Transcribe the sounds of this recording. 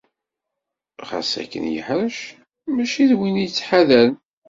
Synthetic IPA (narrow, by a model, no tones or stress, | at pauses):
ʁa̰sæ̰kːə̰njə̰ħɾəʃ | mæʃiðwinijt͡sːħaðæl